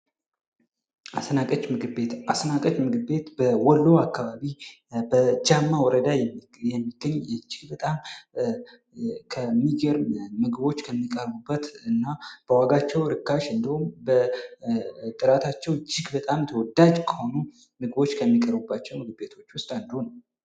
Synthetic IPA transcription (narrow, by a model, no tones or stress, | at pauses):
ʔasənakʼət͡ʃmɨɡɨbet̪asnakʼət͡ʃmɨɡɨbe̞t̪bəwɔlːowakːaβaβi | bəd͡ʒamːawɔɾəd̪aj | jɛmːiɡəɲːɛd͡ʒɪɡbət̪ʼam | kʰəmːiɡəɾmɨɡɨbo̞t͡ʃːkʰəmːikʼəɾbubːət̪ɨnːab̥əwaɡat͡ʃːɛwɾɨkːaʃɨnd̪əhumbə | t̪ʼɨɾat̪ʰat͡ʃːɛwt͡ʃːɪɡbət̪ʼamt̪ʰəwɔd̪ad͡ʒkʰə̥ho̞nu | mɨɡɨbo̞t͡ʃːkʰəmːikʼəɾbubːat͡ʃːɛwmɨɡɨbe̞t̪ʰo̞t͡ʃːwʊst̪ʼand̪əhonəw